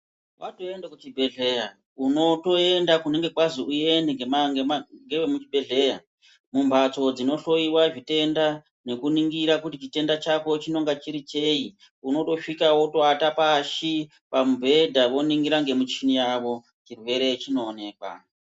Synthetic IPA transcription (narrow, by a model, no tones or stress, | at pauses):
wato̞endakut͡ʃibʱe̞ɮe̞ja | uno̞to̞e̞ndakuneŋɡe̞kwaziuje̞neŋɡemaŋaŋɡeemut͡ʃibʱe̞ɮe̞ja | mumbʱat͡so̞d͡zino̞ɬo̞iwaʐite̞nda | ne̞kuniŋɡiɾakutit͡ʃite̞ndat͡ʃako̞t͡ʃino̞ŋɡat͡ʃiɾit͡ʃe̞i | uno̞to̞ʂikawoto̞atapaʃi | pamubʱe̞dʱaʋo̞niŋɡiɾaŋɡe̞mut͡ʃinijaʋo̞ | t͡ʃirwe̞ɾe̞t͡ʃino̞ːne̞ːkwa̰